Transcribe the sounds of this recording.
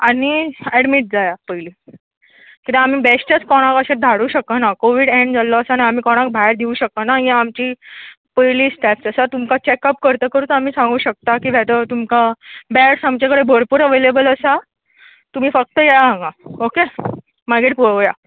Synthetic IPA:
aɽ̃iɛɽmiʈ̚d͡zajapəjliː | kit̪ẽam̤iːbesʈət͡skɔɽ̃akəɕẽd̪ʱaɽuːɕəkanakoʋiːɽẽɳɖd͡zalːɔəsanaam̤iːkɔɽ̃ãk̚bʱaeɾd̪iuːɕək̚t̪anajẽamt͡ɕiː | pəjliːsʈaft͡səsat̪umkat͡ɕekəp̚kəɾt̪əːkəɾuːt̪am̤iːsãŋɡuːɕək̚t̪akiːʋʱɛt̪ət̪umkabɛɽsamt͡ɕakəɽebʱəɾpuːɾəʋelebələsa | t̪um̤iːfək̚t̪əjaãŋɡaoke | maɡeʈpoja

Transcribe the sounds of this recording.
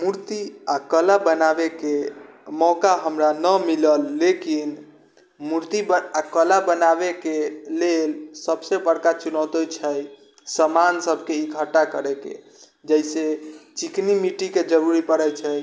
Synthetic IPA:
muɾt̪iakəlabənabekemɔkaɦəmɾanəmiləlːekin | muɾt̪ibakəlabənabekelelsəbsebəɽkat͡ʃunəʊt̪ɛt͡ʃʰəj | səmansəbʱkeiɡʱəʈakəɾɛkḛ | d͡ʒəjset͡ʃiknimiʈiked͡ʒəɾuɾipəɽɛt͡ʃʰəj

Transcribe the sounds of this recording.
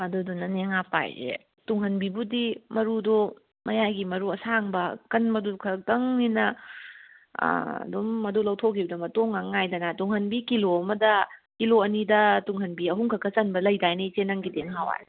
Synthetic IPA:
ɐdudunɐneŋapa̰jzḛ | tuŋɦɐnbibudimɐɾudo | mɐjajɡimɐɾuɐsaŋbɐkɐnmɐdukʰɐk̚dɐŋninɐ | dumːɐdulɐwtʰokʰibɐdɐmɐtoŋaŋajdɐnatuŋɦɐnbikiloɐmɐdɐkiloɐnidɐtuŋɦɐnbiɐɦuŋkʰɐkʰːɐt͡ʃɐnbɐlɐjdajnit͡ʃenaŋɡideŋɦawa̰j

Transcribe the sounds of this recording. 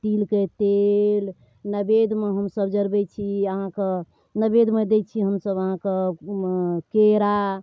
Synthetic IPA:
t̪ilket̪el | nəbed̪meɦəmsəbd͡ʒəɾbɛt͡ʃʰiəɦãke | nəbed̪med̪et͡ʃʰiɦəmsəbəɦãke | keɾa

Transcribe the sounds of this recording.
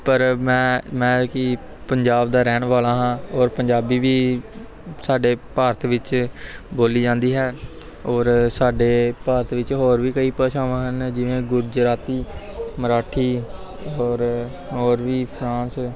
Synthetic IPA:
pəɾmɛ̃ːmɛ̃ːkɪ | pəɲd͡ʒaːbd̪aːɾɛːnʋaːlãːɦãːɔːɾpəɲd͡ʒaːbiːʋiː | saːɖeːpaːɾt̪ʰʋɪt͡ʃboːliːd͡ʒãːnd̪iːɦɛː | ɔːɾsaːɖeːpaːɾət̪ʰʋɪt͡ʃɦoːɾʋiːkəiːpɛːt͡ʃʰaːʋãːɦənd͡ʒɪʋẽːɡʊɾd͡ʒɾaːt̪iː | məɾaːʈʰiː | ɔːɾ | ɦoːɾʋiːpʰɾãːs

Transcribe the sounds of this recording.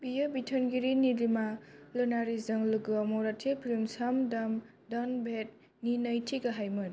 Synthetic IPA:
bijɯbitʰɔnɡiɾinilimalɯnaɾizʌŋlɯɡɯamɔɾatʰilpʰilimsamdam | danbʱet̚ | ninəjtʰiɡaɦajmɯn

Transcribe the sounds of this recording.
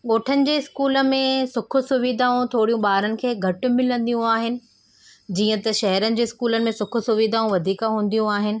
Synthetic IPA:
ɠoːʈʰənɪ̆d͡ʑeːɪskuːlə̆mẽsʊkʰʊ̆sʊʋiːd̪ʱaːũt̪ʰoːɽijũɓaːɾənɪ̆kʰeːɡʱɐʈʊ̆mɪlə̃nd̪ijũaːɦɪnɪ̆ | d͡ʑiːə̃t̪ɐʃɐɦɛɾənɪ̆d͡ʑeːɪskuːlənɪ̆mẽsʊkʰʊ̆sʊʋid̪ʱaːũʋɐd̪ʱiːkaɦũːn̆d̪ijũaːɦɪnɪ̆

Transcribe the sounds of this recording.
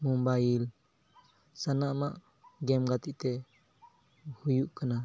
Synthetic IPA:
mɔmbail | sanamaʔ | ɡɛmɡat̪iʔt̪ɛ | hujuʔkana

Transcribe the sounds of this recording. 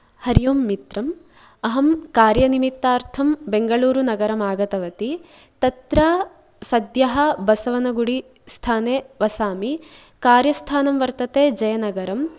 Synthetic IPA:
hɐɾijoːmːit̪ɾɐm | ɐɦɐmkaːɾjɐnimit̪ːaːɾt̪ʰɐmbeŋɡɐɭuːɾunɐɡɐɾɐmaːɡɐt̪ɐʋɐt̪i | t̪ɐt̪ɾɐː | sɐd̪jɐɦɐ̆bɐsɐʋɐnɐɡuɽi | st̪ʰaːneːʋɐsaːmi | kaːɾjɐst̪ʰaːnɐmʋɐɾt̪ɐt̪eːd͡ʒɐjɐnɐɡɐɾɐm

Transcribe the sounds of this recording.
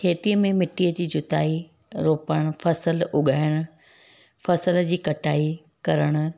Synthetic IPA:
kʰeːt̪iəmẽmɪʈiːəd͡ʑiːd͡ʑʊt̪aːi | ɾoːpəɽ̃ʊ̆fʰɐsəlʊɠʱaːɪɽ̃ʊ̆ | fɐsəld͡ʑiːkɐʈʰaːi | kɐɾəɽ̃ʊ̆

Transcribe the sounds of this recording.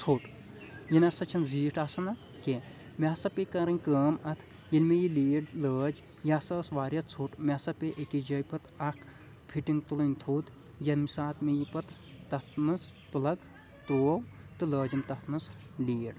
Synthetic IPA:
t͡sʰoːʈ | jinɐsɐt͡ʃʰɐnziːʈaːsɐnɐ | ke | mʲasɐpekɐɾɐnʲkəːmɐt̪ʰ | jilmejiliːɽləːd͡ʒ | jaːsɐːsʋaːɾʲɐt̪̚ʰt͡sʰoːʈmʲasɐpeʔekid͡ʒɐjpɐt̪ɐkʰ | pʰiʈiŋɡt̪ulɨnʲt̪ʰuːt̪ | jɐmisaːt̪mejipɐt̪ː | ɐt̪ʰmɨs | pɨlɐɡ | t̪oːwt̪ɨləːd͡ʒimt̪ɐt̪ʰmɨs | liːɽ

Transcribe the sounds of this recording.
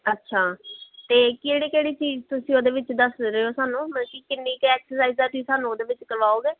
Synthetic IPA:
ətːʃʰaːt̪eːkeːɽiːkeːɽiːt͡ʃiːzt̪ʊsĩːoːd̪eːʋɪt͡ʃd̪əsɾəoːsaːnũːməkiːkɪnːiːkɛːksəɾsaːiːzd̪aːt̪̬ʊiːsaːnũːoːd̪eːʋɪt͡ʃkəɾʋaːoːɡeː

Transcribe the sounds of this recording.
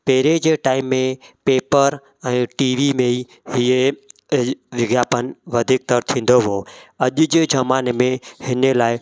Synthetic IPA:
peːɾed͡ʑeːʈaːɪmːẽpeːpəɾ | ɛ̃ːʈiːʋimẽi | hie | ʋɪɡjaːpənʋɐd̪ʱiːk̚t̪əɾt̪ʰĩːn̆d̪oɦoːɐʄʊd͡ʑeːd͡ʑɐmaːnemẽhɪnəlaːɪ

